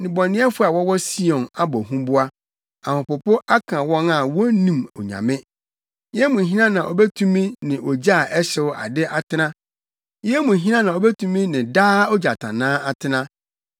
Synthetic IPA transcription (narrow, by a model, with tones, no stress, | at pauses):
nɪ̃˨bɔ̃˨nɪ̃˦ɛ˦fʊ˦a˨wɔ˦wɔ˦si˦ɔ̃˨na˦bɔ˨ɦũ˦bʊ˦a˦ | ã˨hʊ̃˨pʊ˨pʊ˦ʔa˦kʰã˨wɔ̃˦na˨wɔ˦nĩ˨mɔ˨ɲã̰˨mɪ̃˦ | jɛ˦mũ˨ɦi˦nã˦nã˨ʔɔ˨bɛ˦tʰũ˦mĩ˦nɪ̃˨ʔɔ˨d͡ʑa˦˨ʔɛ˦ɕɛ˦wa̰˨dɪ˦ʔa˦tʰɪ˦nã˦ | jɪ˦ɛ˦mũ˨ɦi˦nã˦nã˨ɔ˨bɛ˦tʰũ˦mĩ˦nɪ̃˨daː˦ɔ˦d͡ʑa˨tʰã̰˨nãː˦a˨tʰɪ˦nã˦